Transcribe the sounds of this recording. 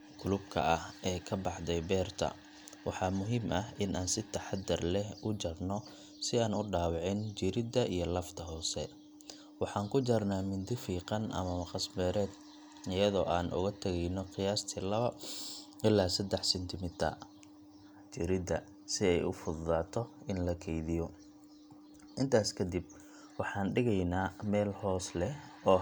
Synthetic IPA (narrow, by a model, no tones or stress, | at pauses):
ɡʊlʊb̚kʰɐ̰ʔɐhɛːkʰɐbɑħd̪ɛjbɛːrt̪ʰɐ̰ | wɑħɑːmʊɦiːmʔɐɦɪnaːnsɪt̪ʰɐħɑd̪ɪrlɛɦʊt͡ʃɐrnɔ | sɪaːnʊɖaːwɑʕɪnt͡ʃɪɾɪd̪ɐʔijɞlɐft̪ʰɐɦɔːsɛ̰ | wɑħɑːŋkʰʊt͡ʃɐrnaːmɪnd̪ɪfiːqɑnʔɐ̰mɐmɐqɑsbɛːɾɛːd̪ | ɪjɐðɔːʔaːnʔʊ̰ɣɐt̪ʰɐɣɛjnɔqɪjaːst̪ʰiːlɐβɐ | ɪlaːsɐd̪ɛħsɛnt̪ʰɪmɪt̪ʰɐ̰ | t͡ʃɪɾɪd̪ɐ | sɪɛjʊfʊððaːt̪ʰɔɪnlɐkʰɛjðɪjɔ | ʔɪnt̪ʰaːskʰɐd̪ib̚ | wɑħɑːnɖɪɣɛjnaːmɛːlhɔːslɛɔː